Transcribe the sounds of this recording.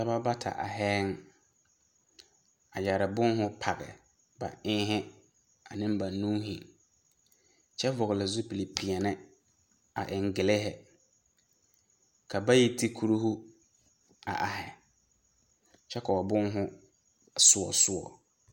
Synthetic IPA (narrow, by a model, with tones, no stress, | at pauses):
sa˦ba˦ba˦tʰa̰˨ʔa̰˨ɦɛ˦ŋ | a̰˨d͡ʒaː˨ɾɪ˨bʊ˦nɦʊ˦pʰa˨ɣɛ̰˨ | ba̰˨ʔɪ̃ː˦ɦɪ˦ | a˨nɪ̃˦nba˨nũː˦ɦɪ˨ | t͡ʃɛ˦vʊ˨ɣɪ˨lɪ˨zʊ˦pi˨li˨pʰi˨a˨nɪ˦ | a̰˨ʔɪ˨ŋ˨ɡɪ˨lɪ˦ɦɛ˨ | kʰa˨ba˦ji˦tʰi˦kʰu˦ɾu˦ɦu˦ | a̰˨ʔa˨ɦɛ˨ | t͡ʃɛ˦ka˨ɔ˨bʊ˦nɦʊ˦ | sʊ˦ɔ̰˨sʊ˦ɔ̰˨